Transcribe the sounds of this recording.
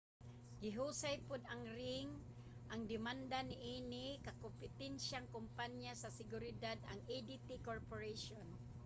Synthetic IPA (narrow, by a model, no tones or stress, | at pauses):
ɡɪɦusajpʊd̪aŋɾɪŋ | ʔaŋd̪ɪmand̪anɪʔinɪkakompɪt̪ɛnʃaŋkʊmpaɲjasasɪɡʊɾɪd̪ad̪a̰ŋed̪it̪ikoɹpoɹejʃon